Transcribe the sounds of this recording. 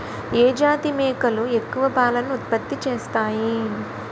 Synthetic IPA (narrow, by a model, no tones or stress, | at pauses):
eːd͡ʒaːt̪imɛːkɐlue̞kːuʋɐpaːlɐnːuːt̪pɐt̪ːit͡ʃeːst̪aːji